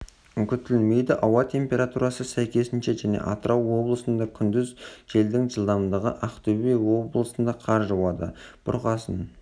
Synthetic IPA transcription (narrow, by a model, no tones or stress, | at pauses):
kʲʏt̪ːɪlɪlme̞jd̪ɪʔɑwɑt̪ʰe̞mpʲe̞ɾat̪uɾɑsəsæjkʲe̞sɪnʃeʒæne̞̰ʔɑt̪əɾʔɑwːo̞blˠəsənd̪ɑkʲʰʏnd̪ɪzʒe̞ld̪ɪŋʒəlˠd̪ɑmd̪əʁə̰ʔɑqt̪ebejwo̞blˠəsənd̪ɑqʰɑɾʒəwɑd̪ə̰b̥ʊ̰ɾqɑsə̰n